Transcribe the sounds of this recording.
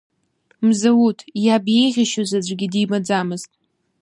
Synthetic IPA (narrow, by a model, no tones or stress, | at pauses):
mzawutʰjabeʁʲɪʃazad͡ʒʷɡʲɪdimad͡zamɨztʼ